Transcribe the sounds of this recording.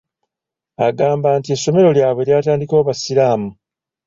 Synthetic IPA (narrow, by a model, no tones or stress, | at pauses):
aɡaːmbaːntie̞sːo̞me̞ɾo̞ljaːβwe̞ljaːtaːndiko̞ːβasilaːmu